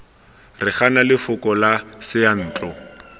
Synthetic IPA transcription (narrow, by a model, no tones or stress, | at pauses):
rɪχanalɪfʊkʼɔlasɪjan̩ːt͡ɬʼɔ